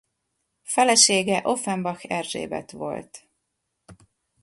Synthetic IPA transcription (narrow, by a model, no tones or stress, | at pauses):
fɛlɛʃeːɡɛʔo̞fɛmbɒxɛrʒḛːbɛ̰t̪ʋo̞̰lt̪